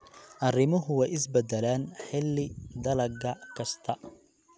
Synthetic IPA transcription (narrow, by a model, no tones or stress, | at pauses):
ʔɐrɪmʊɦʊwɛjɪsbɛd̪ɛlaːnħɪlːɪd̪ɐlɐɡɐkʰɐst̪ʰɐ